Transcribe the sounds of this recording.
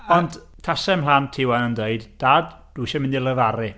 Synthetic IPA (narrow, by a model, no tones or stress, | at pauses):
ɔnd | tʰasɛmlantʰɪwanəndəɨdd̥aːd | d̥uʃɛmɪ̃ndilˠəvaɾɨ